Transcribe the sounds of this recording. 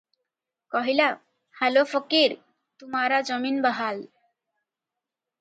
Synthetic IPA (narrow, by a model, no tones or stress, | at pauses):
kɔɦila | halofɔkiɾ | t̪umaɾad͡zʌminbaɦal